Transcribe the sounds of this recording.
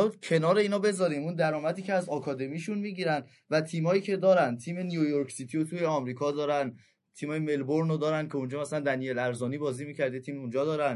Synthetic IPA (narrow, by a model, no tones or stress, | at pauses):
u̥cʰe̞nɒːɾe̞iːnhɒːbe̞zɒːɾiːmund̪æɾɒːmæd̪iːcʰeæzɒkʰɒːd̪e̞miʃunmiːɟiːɾænd̪ | væt̪ʰiːmhɒːjiːcʰe̞d̪ɒːɾænd̪̚t̪ʰiːme̞nijujoɾksit̪ʰijot̪ʰuːjeɒmɾiːkʰɒd̪ɒːɾæn | t̪ʰiːmhɒːjemelboɾnod̪ɒːɾænd̪kʰe̞und͡ʒɒːmæslænd̪ænijelæɾzɒːniːbɒːziːmiːcʰæɾd̪et̪ʰiːmund͡ʒɒːd̪ɒːɾæn